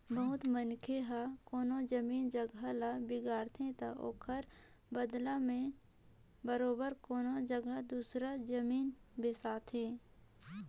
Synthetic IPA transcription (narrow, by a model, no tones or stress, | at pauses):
bəɦʊt̪mənkʰeɦakoːnod͡ʒəmiːnd͡ʒəɡʱalabɪɡaːɾt̪ʰẽt̪aʔo̰ːkʰəɾ | bəd̪lamẽ | bəɾoːbəɾkoːnod͡ʒəɡəd̪uːsɾad͡ʒəmiːnbeːsaːt̪ʰɦẽː